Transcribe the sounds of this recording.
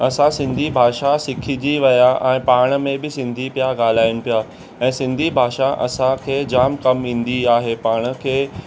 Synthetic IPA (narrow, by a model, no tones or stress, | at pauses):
ɐsãsɪ̃nd̪ʱibʱaːʃasɪkʰid͡ʑiʋɐjaʔɛ̃ːpaːɽ̃ə̆mẽbɪsɪ̃nd̪ʱipijaɡaːl̤aːɪʊɽ̃ɪ̆pijaː | ɛ̃ːsɪ̃nd̪ʱibʱaːʃaʔɐ̰sãkʰeːd͡ʑaːmkɐmĩːn̆d̪iaːɦepaːɽ̃ə̆kʰeː